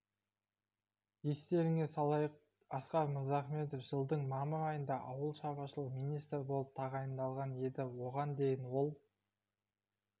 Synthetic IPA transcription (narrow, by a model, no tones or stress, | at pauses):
je̞st̪e̞ɾɪŋe̞sɑlˠɑjəq | ɑsqɑɾməɾzɑχme̞t̪ofʒ̥əlˠd̪əɴmɑməɾɑjənd̪ɑʔɑwəlˠʃɑʁɑʃəlˠəqmijnijst̪ɾbo̞lˠəp̚t̪ʰɑʁɑjənd̪ɑlˠʁɑne̞d̪ɪwo̞ʁɑnd̪e̞jɪnwo̞lˠ